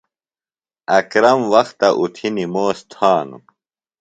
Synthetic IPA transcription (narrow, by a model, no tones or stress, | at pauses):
ɐkɾɐmwɐxt̪ɐʔut̪ʰinimoːst̪ʰaːnṵ